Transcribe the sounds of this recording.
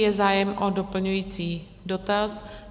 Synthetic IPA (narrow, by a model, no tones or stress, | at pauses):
jɛzaːjɛmʔodo̞pl̩ɲujiːt͡siː | do̞t̪as